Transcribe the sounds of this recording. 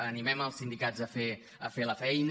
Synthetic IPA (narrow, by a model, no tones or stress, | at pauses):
ənimɛməlˠsind̪ikazəfe | əfeləfɛjn